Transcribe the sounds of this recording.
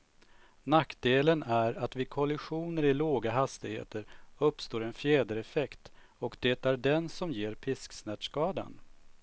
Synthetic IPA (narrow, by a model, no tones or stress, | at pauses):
nakd̪eːlənæɾat̪vɪkʰɔlɪɧuːnəɾɪloːɡaɦast̪ɪɡhḛːt̪əɾɵpːst̪oːɾɛnfjɛːd̪əɾɛfɛkt̪ | ɔkd̪̥ɛt̪æɖɛnsɔmjeːɾpʰɪsksnæʈʂkɑːd̪a̰n